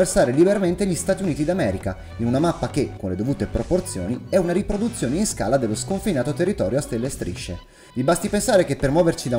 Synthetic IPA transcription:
ersaːɾelibeɾament̪eʎist̪aːt̪iuniːt̪id̪amɛːɾika | inunamapːakekːonled̪ovuːt̪epɾoport̪sjo̰ːniɛunaɾipɾod̪ut̪sːjoːneinska̰ːlad̪elːoskoɱfinaːt̪ot̪erːit̪ɔːɾjoast̪elːest̪ɾḭʃːe | vibast̪ipensaːɾekepːermwɔːvert͡ʃid̪a

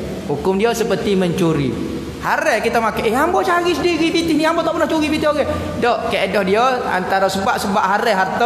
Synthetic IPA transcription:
hukʊmdiosəpərt̪iməɲt͡ʃuɾḭ | haɾɛkit̪amakaʔɛɦambɔt͡ʃaɡisədiɾipit̪ɪhniambɔt̪ɔʔpərnaht͡ʃuɡipit̪iɦoɡɛ | dɔʔkeʔdɔhdiɔa̰nt̪aɾasəbaʔsəbaʔɦaɾɛɦart̪ɔ

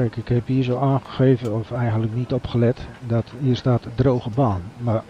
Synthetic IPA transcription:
kɪkhɛpiəsoːaːnχəxeːvənɔfɛjɣəndləknitɔpχəlɛtdɔtiəstaːtdroːɣəbaːnmar

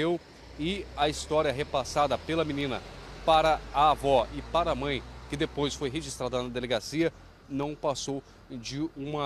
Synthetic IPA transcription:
ew | ɪɐist̪ɔɾjɐɦepasad̪ɐpelɐminĩnɐpaɾɐːvɔɪpaɾɐːmɐ̃j̃kɪd̪epojsfojɦeʒist̪ɾad̪ɐnɐd̪eleɡasiɐ | nɐ̃w̃pasow | d͡ʒɪũmɐ

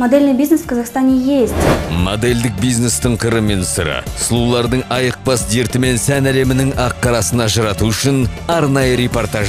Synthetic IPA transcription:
mod̪elʲnɪjbʲiznesfkʰɑzɑχst̪anʲejest̪mod̪e̞ld̪ɪk̚bijzne̞st̪ʰəɴqʰəɾəmensəɾə̰slˠulˠɑɾd̪əɴɑjəq̚bɑsd̪e̞ɾt̪ɪme̞nsænæle̞mɪnɪŋɑqːɑɾɑsənɑʒɑɾɑt̪uʏʃɪn | ɑɾnɑjəɾe̞po̞rt̪ɑʒə

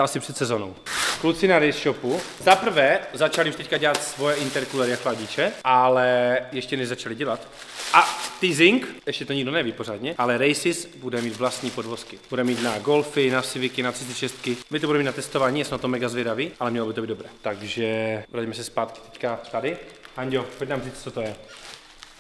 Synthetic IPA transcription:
asɪpr̥ɛt̪sɛzono̰wklut͡sɪnaɾɛjsʃopu | zapr̩vɛːzat͡ʃalɪuʃt̪ɛckaɟɛlat̪svojɛʔɪnt̪ɛɾkulɛɾɪjaklaɟɪt͡ʃɛʔalɛjɛʃcɛnɛʒzat͡ʃalɪɟɛlat̪ | ʔaft̪izɪŋkɛʃcɛt̪oɲiɡdonɛviːpoɾaːd̪ɲɛʔalɛɾɛjsɪsbudɛmiːt̪vlast̪ɲiːpodvo̞skɪb̥udɛmɛmiːt̪naɡo̞lfɪnasɪvɪkɪnat̪sɪst̪ɪʃɛst̪kɪmɪt̪obudɛmit̪nat̪ɛst̪ovaːɲiːjasmɛnat̪omɛɡazvjɛdaviːʔalɛmɲɛlobɪt̪oiːd̪doɾɛːt̪aɡʒɛɾaɟmɛsɛspaːt̪kɪ̥t̪ɛckat̪adɪhaɲɟopoc̚naːmriːt͡st͡sot̪ojɛ

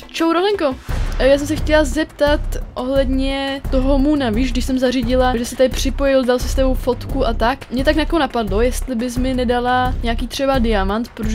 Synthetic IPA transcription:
t͡ʃowɾolɛŋko̞jaːs̬ɛmsɛxcɛlazɛpt̪at̪ʔo̞ɦlɛdɲɛt̪oɦomunaviːʃɡdɪʃsɛmzariɟɪlaʒɛsɪt̪adɪpr̝̥ɪpo̞jɪldalsɪ̥st̪ɛbo̞wfo̞t̪kuʔat̪akmɲɛt̪aknakoonapadlo̞jɛst̪lɪbɪs̬mɪnɛdalaɲɛakiːt̪r̝̥ɛbadɪjamant̪pɾooʒɛ

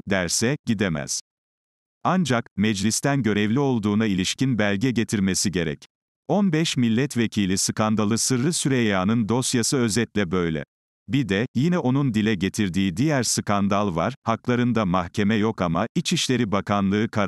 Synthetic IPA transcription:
d̪æɾsɛɟ̥id̪ɛmæ̰z̥ | and͡ʒakmɛd͡ʒlʲist̪ʰænɟø̞ɾɛvlʲio̞lˠd̪uːnailʲiʃcinbælʲɟɛɟe̞t̪ʰiɾme̞siɟe̞ɾɛ̰c | o̞nbɛʃmilʲːɛt̪vecʰiːlʲisɯkand̪alˠɯsɯɾɾɯsyɾejaːnɯnd̪o̞sjasɯø̞zɛt̪lʲɛbø̞jlʲɛ̰ | bid̪ɛjinɛʔo̞nund̪ilʲɛɟe̞t̪ʰiɾd̪iːd̪ijæɾsɯkand̪alˠva̰ɾ̥haklˠaɾɯnd̪amahcʰe̞mɛjo̞kamait͡ʃiʃlʲe̞ɾibakʰanlˠɯːkʰaɾ

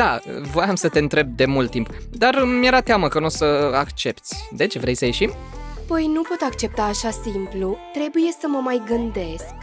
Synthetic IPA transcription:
d̪̥a̰vo̞jamsət̪e̞ɨnt̪ɾe̞b̚d̪e̞mult̪ːimp | d̪armjeɾat̪eaməkənosəakt͡ʃe̞pt̪sʲd̪e̞t͡ʃevɾe̞jsəje̞ʃim | pəjnupo̞t̪akt͡ʃe̞p̚t̪aːʃasimplut̪ɾe̞buje̞səməmajɡɨnd̪e̞sk

